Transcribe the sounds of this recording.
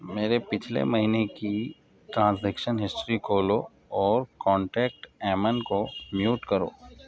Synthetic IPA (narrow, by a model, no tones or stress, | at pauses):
meːɾepɪt͡ʃʰlḛmɐɦineki | ʈɾãːnsleːkʃənɦɪsʈɾikʰoːlo | ɔːɾkɔ̃ːɳʈɛːk̚ʈɛːmənkomjuːʈkɐɾo̰ː